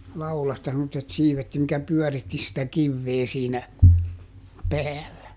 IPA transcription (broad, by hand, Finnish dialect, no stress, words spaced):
lɑulɑstɑ semːotːet siːʋet jɑ mikæ pyœˑritːi sitæ kiʋːeː siːnæ pæːlːæ